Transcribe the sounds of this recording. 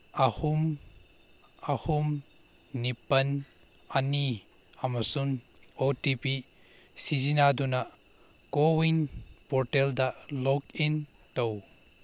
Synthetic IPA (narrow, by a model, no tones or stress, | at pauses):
ahum | ahumː | ipɐn | ani | ɐmɐsun | otipi | sizinadunɐ | kowinpɔɾteldɐlɔkin | tow